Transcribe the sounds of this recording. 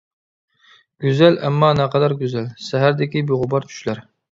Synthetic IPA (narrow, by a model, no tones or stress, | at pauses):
ɡ̥ʲyzælʔæmːɑːnæqɑd̪ɑɾɡʲyzælsæɦæɾd̪ɪkʲibiʁʊbɑɾt͡ʃʰy̥ʃlæɾ